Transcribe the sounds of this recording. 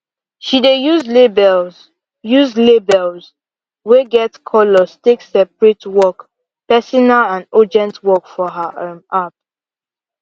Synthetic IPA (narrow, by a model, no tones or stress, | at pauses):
ʃidejuzlebɛl | juzlebɛlz | weɡɛtkʰɔlɔsteksɛpɹitwɔk | pɛsɔnalãndɔd͡ʒɛ̃ntwɔkfɔɦamap̚